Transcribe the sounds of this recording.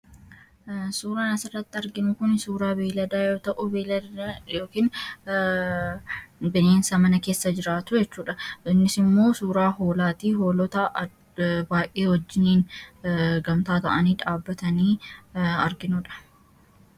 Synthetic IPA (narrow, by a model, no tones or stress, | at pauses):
suːɾaːnɐsɪrːɐt̪ːɪɐɾɡɪnʊkʊnsuːɾaːbeːlɐd̪aːjoːt̪ɐʔʊ | joːkiːn | bɛneːnsɐmɐnɐke̞ːsːɐd͡ʒɪɾaːt̪ʊd͡ʒɛt͡ʃːuːᶑɐɪnːɪsɪmːo̞ːsuːɾaːho̞ːlaːt̪iːɦo̞ːlɔt̪ɐʔ | baːjʔeːwɔd͡ʒːɪniːn | ɡɐmt̪aːt̪ɐ̰ʔɐniːᶑaːbːɐt̪ɐniː | ɐ̰ɾɡɪnuᶑɐ̥